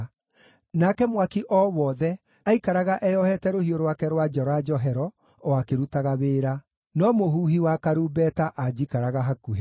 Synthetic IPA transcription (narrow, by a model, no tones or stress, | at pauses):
nakɛmwakiʔɔːwɔːðɛ | aikaɾaɣaʔɛjɔhɛtɛɾohioɾwakɛɾwad͡ʒɔɾɔad͡ʒɔɦɛɾɔ | ɔakeɾutaɣaβeːɾa | nɔmohuːhiwakaɾuːbɛtaʔad͡ʒikaɾaɣaɦakuɦe